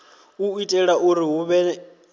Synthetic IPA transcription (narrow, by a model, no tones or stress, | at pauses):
uitʼɛɺaʔuɾiɦuβɛ